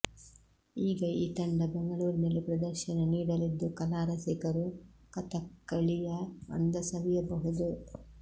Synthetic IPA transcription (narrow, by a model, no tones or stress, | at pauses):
iːɡɐiːt̪ɐɳɖɐbeŋɡɐɭuːɾinɐlipɾɐd̪ɐɾʃɐnɐniːɽɐlid̪ːukɐlaːɾɐsikɐɾukɐt̪ɐkːɐɭijɐɐ̰nd̪ɐsɐʋijɐbɐɦud̪u